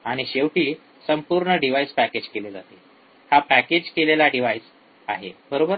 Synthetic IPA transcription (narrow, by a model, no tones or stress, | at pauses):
aɽ̃iɕeʋʈiː | səmpuɾɳəɖiʋaispæked͡ʑkeled͡zat̪e | hapæked͡ʑkelelaɖiʋajs | aɦebəɾobəɾ